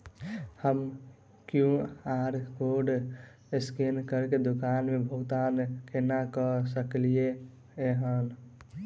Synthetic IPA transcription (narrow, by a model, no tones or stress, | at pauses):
həm | kjũaɾkoɖ | eskenkəɾked̪okanmebʱəut̪ankenakəsəklie | eɦən